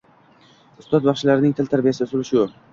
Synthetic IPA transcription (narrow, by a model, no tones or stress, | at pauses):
ʊst̪ɒt̪̚bɑχʃɪlaɾɪnɪŋt̪ʰɪlt̪ʰaɾbijasɪd̪sʊlɪʃɪjʊ